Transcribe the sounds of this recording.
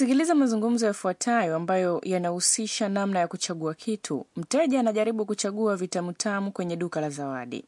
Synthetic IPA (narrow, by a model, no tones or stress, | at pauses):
sikilizamazuŋɡum̩zɔjafuatʰajɔambajɔjanahusiʃanamnajakut͡ʃaɠuakʰitʰṵm̩tɛʄaːnaʄaɾiɓukut͡ʃaɠuavitamutʰamukwɛɲɛɗukalazawa̰ɗḭ